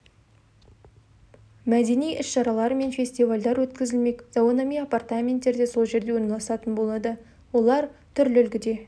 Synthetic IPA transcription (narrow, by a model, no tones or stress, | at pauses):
mæd̪e̞nijʔɪsʃɑɾɑlˠɑɾəme̞nfʲe̞sʲt̪ijvalʲd̪ɑɾwɵt̪kʲɪzɪlme̞kzokonomijapart̪amʲe̞nt̪ːe̞ɾd̪e̞so̞lˠʒe̞ɾd̪e̞wo̞ɾnɑlˠɑsɑt̪ənbo̞lˠɑd̪ə | wo̞lˠɑɾt̪ʰʏɾlɪʏlɡʲɪd̪e̞